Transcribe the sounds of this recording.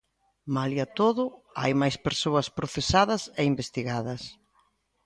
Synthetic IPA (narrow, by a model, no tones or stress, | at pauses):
maliɐt̪oðʊa̰jmajspeɾsoɐspɾoθesaðɐseimbest̪iɣaðɐs